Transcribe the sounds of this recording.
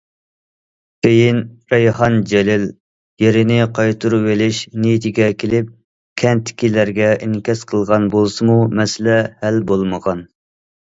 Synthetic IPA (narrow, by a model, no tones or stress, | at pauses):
kʰʲejinɾɛjhɑnd͡ʒɛlɪl | jeɾɪnɪqʰɑjt̪ʰuɾuwelɪʃnijit̪ʰɪɡʲɛkʲʰelɪp̚ | kʲʰɛnt̪ʰːɪ̥kʲilæɾɡʲɛʔiŋkʲɛsqʰəlˠʁɑnbolˠsɨmumɛsɪlɛhælbolˠməʁɑn